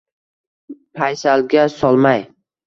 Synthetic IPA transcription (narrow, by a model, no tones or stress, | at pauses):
pʰajsalɡʲasɒlˠmaj